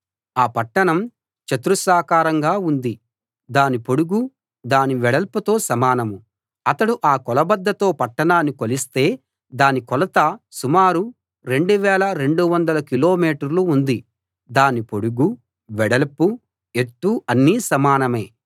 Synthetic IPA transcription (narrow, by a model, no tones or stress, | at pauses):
aːpɐʈːɐɳɐm | t͡ʃɐt̪ɾusaːkaːɾɐŋɡaːund̪i | d̪aːnipo̞ɽuɡu | d̪aːniʋɛɽɐlput̪o̞ːsɐmaːnɐmu | ɐt̪ɐɽuʔaːkɔlɐbɐd̪ːɐt̪o̞ːpɐʈːɐɳaːnːikolist̪e̞ː | d̪aːnikɔlɐt̪ɐsumaːɾu | ɾe̞ɳɖuʋɛːlɐɾe̞ɳɖuʋɐnd̪ɐlɐkilo̞ːmiːʈɐɾluːnd̪i | d̪aːnipo̞ɽuɡu | ʋɛɽɐlpu | eʈːuɐnːiːsɐmaːnɐme̞̰ː